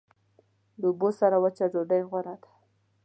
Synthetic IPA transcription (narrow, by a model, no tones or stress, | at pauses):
ləubosaɾawət͡ʃazoɖajɣwaɾad̪ḁ